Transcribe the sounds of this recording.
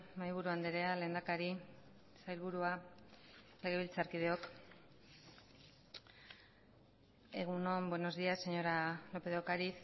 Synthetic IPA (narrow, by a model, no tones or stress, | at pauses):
majβ̞uɾuand̪eɾe̞ale̞ːnd̪akaɾi | sajlβuɾua | le̞ɣ̞e̞βilt͡saɾkið̞e̞o̞k | e̞ɣ̞uno̞mbweno̞zðiase̞ɲo̞ɾalo̞pe̞ðokaɾis